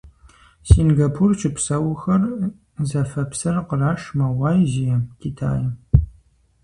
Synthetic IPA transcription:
sinɡapʰurt͡ʃʰɪpsɐwxɐr | zɐfɐpsɐrqəraːʂmɐwɑːjʒijɛkʲʰitʰa̰ːjɐ

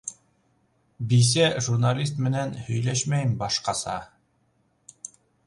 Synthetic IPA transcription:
bis̬æʒurnalʲist̪mɘ̆nænhɵ̆jlæʃmæjmbɑʃqɑsɑ̰

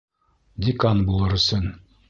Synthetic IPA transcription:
d̪ʲɪkanbulˠɤɾɵ̆sɘn

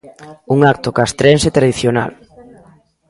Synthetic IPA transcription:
uŋak̚t̪okast̪ɾenset̪ɾaðiθjona̰l

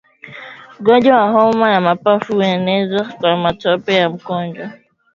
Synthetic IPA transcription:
ɡɔɲd͡ʒɔwaɦɔmajamapafuɛnɛzakwamatɔpɛjam̩kɔɲd͡ʒwa

